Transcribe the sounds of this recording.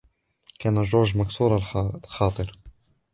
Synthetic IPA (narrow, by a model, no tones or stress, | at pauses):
kaːnaʒoːɾˤʒmaksuːɾˤɑlxɑːt̪ˤɨɾ